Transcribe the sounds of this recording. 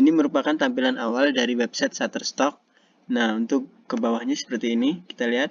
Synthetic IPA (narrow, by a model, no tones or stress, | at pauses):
iniməɾupakant̪ampilanawaldaɾiwɛp̚sɛt̪sat̪ərst̪ɔk̚ | nahunt̪ʊkːəbawahɲasə̥pərt̪iːniki̥t̪aliɦat̪̚